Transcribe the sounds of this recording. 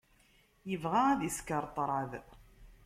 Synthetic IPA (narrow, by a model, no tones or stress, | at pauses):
jəvʁaæðiskəɾˤt̪ˤɾˤɑð